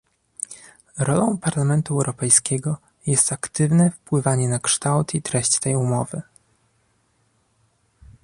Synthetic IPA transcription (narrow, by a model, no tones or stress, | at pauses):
ɾɔlɔ̃w̃paɾlamɛnt̪uɛwɾʔɔpɛjskʲɛɡɔ | jɛst̪akt̪ɘvnɛfpwɘvaɲɛnakʂt̪awt̪it̪ɾɛɕt͡ɕt̪ɛjumɔvɘ